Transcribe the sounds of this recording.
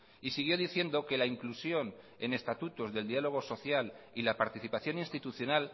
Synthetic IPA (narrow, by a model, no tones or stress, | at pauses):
isiɣ̞jo̞ðiθje̞nd̪o̞ke̞laiŋklusjo̞n | e̞̰ne̞st̪at̪ut̪o̞zðe̞ld̪ialo̞ɣ̞o̞so̞θjalilapaɾt̪iθipaθjo̞ninst̪it̪uθjo̞nal